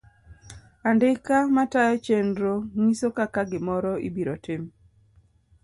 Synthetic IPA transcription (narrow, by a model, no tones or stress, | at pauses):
andɪkamatajɔt͡ʃendɾoŋisokakaɡɪmɔɾɔḭbiɾotɪm